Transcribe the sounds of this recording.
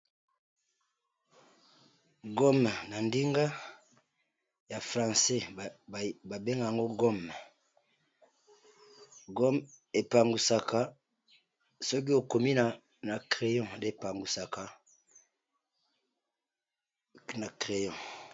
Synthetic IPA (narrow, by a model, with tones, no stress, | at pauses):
ɡo˦m˨na˨ndi˦ŋɡa˦ | ja˨fʁã˨sɛ˦˨ | ba˨be˦ŋɡa˨a˨ŋɡo˦ɡo˦m | ɡo˦m | e˨pa˨ŋɡu˨sa˨ka˦ | sɔ˦k̬i˦o˨ko˨mi˦na˨ | na˨kʁe˨jɔ̃˦˨nde˦˨pa˨ŋɡu˨sa˨ka˦ | na˨kʁe˨jɔ̃˨